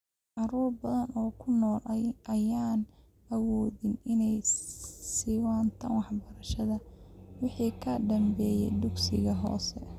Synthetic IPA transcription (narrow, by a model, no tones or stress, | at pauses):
ʕɑɾuːrbɐðɐnʔɔːkʰʊnɔːlʔɐjaːn | ɐwɔːðɪnɪnɛjsɪwɑːnt̪ʰɐnwɑħbɐɾɐʃɐðɐwɪħiːkʰɐɖɐmbɛːjɛ̰jd̪ʊɡsɪ̰ɣɐɦɔ̰ːsɛ